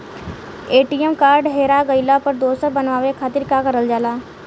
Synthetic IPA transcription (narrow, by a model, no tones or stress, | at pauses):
eːʈijəmkaːɾɖɦeːɾaɡəɪlapəɾd̪oːsəɾbənʋaːʋekʰaːt̪ɪɾkakəɾəld͡ʒaːlaː